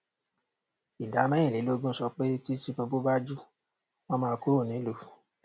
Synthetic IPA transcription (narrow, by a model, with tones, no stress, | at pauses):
i˨da˨˦mã˦ĩ˦˨li˨˦lo˦ɡũ˦sɔ˧k͡pe˦ti˦si˦po˧bo˦ba˦d͡ʒu˦ | w̃ɔ̃˦mãː˧ku˦ɾo˦˨nĩ˨˦lo˧˦